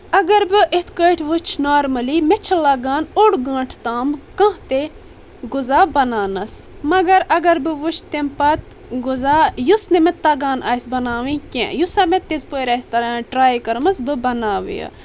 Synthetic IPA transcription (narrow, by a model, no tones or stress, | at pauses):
ɐɡɐɾbɨʔet̪ʰkəʈʰʋut͡ʃʰnaːɾmɐlimet͡ʃʰɐlaːɡaːnoɽɡãːʈʰt̪aːmkɐ̃ɦt̪e | ɡuzaːbɐnaːnɐsmɐɡɐɾɐɡɐɾbɨʋut͡ʃʰt̪empɐt̪ | ɡuzaːjusnemẽt̪aɡaːnaːsbɐnaːʋĩkʲḛ̃jusaːmẽt̪ːezpojɾɐːst̪ɐɾaʈɾaːjkɐɾmɐsbɨbɐnaːʋḭjɐ̰